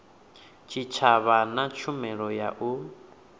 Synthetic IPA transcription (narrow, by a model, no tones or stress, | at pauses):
t͡ʃʰit͡ʃʰaβanat͡ʃʰumɛɺɔjaʔu